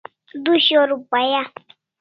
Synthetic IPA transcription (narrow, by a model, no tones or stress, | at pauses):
d̪uɕoɾupaja